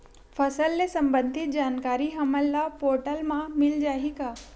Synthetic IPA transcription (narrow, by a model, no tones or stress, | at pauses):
fʰəsəlːesə̃mbə̃nd̪ʱɪt̪̚d͡ʒaːnkaːɾiɦɐməlːapoːɾʈəlmãmɪld͡ʒaːɦikaː